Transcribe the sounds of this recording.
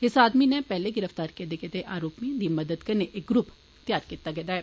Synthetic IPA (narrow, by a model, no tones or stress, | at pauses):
ɪsaːd̪minɛ̃pɛːleɡɪɾəft̪aːɾked̪eket̪eʔaːɾoːpmĩd̪iməd̪əd̪kɐɾneʔɪk̚ɡɾʊp | t̪jaːɾkiːt̪ːaɡɛːd̪aːɦɛː